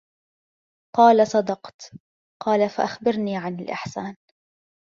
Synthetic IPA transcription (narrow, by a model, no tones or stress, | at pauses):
qɑːlasˤɑd̪ɑqt̪ | qɑːlafaʔaxbɪɾniːʕanɪlʔɪ̰ħsaːn